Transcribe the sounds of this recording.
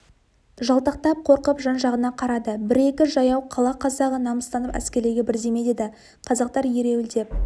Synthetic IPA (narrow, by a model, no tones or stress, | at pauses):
ʒɑlˠt̪ɑq̚t̪ɑp̚qʰo̞ɾqəpʒɑnʒɑʁənɑqʰɑɾɑd̪əbɪɾe̞kʲɪʒɑjɑwqʰɑlˠɑqʰɑzɑʁənɑməst̪ɑnəpæ̰skʲe̞ɾleɡʲebɪɾd̪e̞me̞d̪ed̪ɪ | qʰɑzɑq̚t̪ɑɾje̞ɾe̞wɪld̪e̞p̚